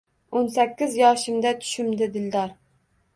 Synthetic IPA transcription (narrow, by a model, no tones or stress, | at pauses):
onsɛkʲːɪzjɑːʃɪmd̪ɛt͡ʃ̪ʰy̥ʃymd̪ɪd̪ɪld̪ɑɾ